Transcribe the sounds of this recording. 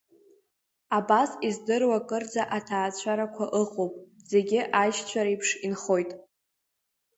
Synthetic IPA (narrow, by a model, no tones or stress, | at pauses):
abasizdɨrwakʼɨrd͡zaʔatʰaːt͡ɕʷʰaɾakʷʰaʔɨqʼowpʼ | ze̞ɡʲɪʔaʃt͡ɕʷʰaɾaipʰʂinχo̞jtʼ